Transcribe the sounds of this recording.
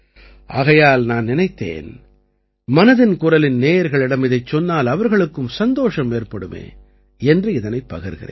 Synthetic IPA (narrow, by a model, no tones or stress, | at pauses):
ʔa̰ːɣɐjaːlnaːnnɪnɐɪt̪ːḛːn | mɐnɐðɪnkʊrɐlɪnneːjɐɾɣɐɭɪɽɐmɪðɐɪt͡ʃːɔnːaːlɐʋɐɾɣɐɭɯkːɯmsɐnd̪oːʂɐmeːrpɐɽɯmḛː | ɛndrɯɪðɐnɐɪpːɐ̰ɣɪɾɣɪ̰rḛːn